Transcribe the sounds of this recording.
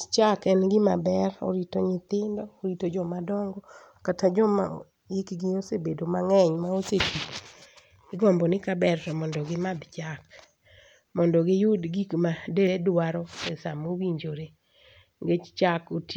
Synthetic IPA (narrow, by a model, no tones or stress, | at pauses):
t͡ʃakɛnɡɪmabɛro̰ɾitoɲɪt̪ɪndɔoɾitod͡ʒɔmadɔŋɡɔ | katʰad͡ʒɔma | ɪkɡɪosebedomaŋɛɲmaosetik | ɪɡɔmbɔnɪkabɛrtɔmɔndɔɡɪmad̪t͡ʃak | mɔndɔɡɪjʊdɡikmadedwaɾɔesamowiɲd͡ʒoɾe | ŋɡet͡ʃt͡ʃakot